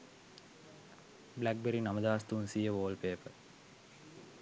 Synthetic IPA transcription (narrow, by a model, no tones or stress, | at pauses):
blæk̚beɾinaməd̪aːst̪unsijəʋoːlpeːpəɾ